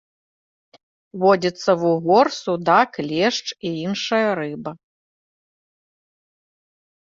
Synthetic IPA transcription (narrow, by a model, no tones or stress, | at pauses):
vɔd͡zʲit̪sːɐvuɣɔrsud̪aklʲɛʂt͡ʂiinʂɐjɐɾɨbɐ